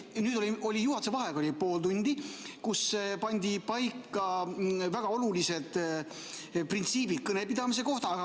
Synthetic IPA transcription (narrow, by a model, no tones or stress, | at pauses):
nyːd̪̥o̞lʲio̞lʲijuɦɑt̪sevɑɦeɡolʲipo̞ːld̪unʲd̪̥ikuspɑnʲd̪̥ʲipɑjkːˑɑvæɡ̥ɑo̞lulise̞d̪̥ | print̪siːbid̪̥̚kɤne̞pid̪̥ɑmis̬e̞ko̞ht̪ɑːɑ